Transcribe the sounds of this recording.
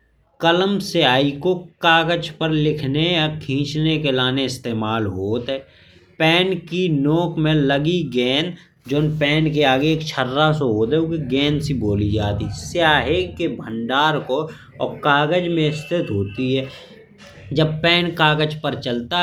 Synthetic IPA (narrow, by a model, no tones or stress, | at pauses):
kələmseaːikokaːɡəd͡ʒpəɾlɪkʰnejakʰĩːt͡ʃnekelaːneɪst̪eːmaːlɦoːt̪ɦɛː | pɛːnkinoːkmẽləɡiɡɛːn | d͡ʒoːnpɛːnk̬eaːɡeːkt͡ʃʰəɾːasoɦoːt̪ɦɛʊkiɡɛ̃ːnsiboːlid͡ʒaːt̪isjaːɦekebʱə̃ɳɖaːɾko | ɔːkaːɡəd͡ʒmẽɪst̪ɪt̪ɦoːt̪iɦɛː | d͡ʒəb̚pɛːnkaːɡəd͡ʒpəɾt͡ʃəlt̪a